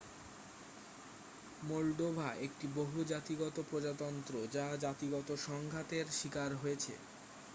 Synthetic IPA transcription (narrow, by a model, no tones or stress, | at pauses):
molɖ̪obʱaʔekʈiboɦud͡ʑat̪iɡɔt̪opɾod͡ʑat̪ɔnt̪ɾod͡ʑad͡ʑat̪iɡɔt̪oʃɔŋɡʱat̪eɾʃikaɾɦojet͡ɕʰḛ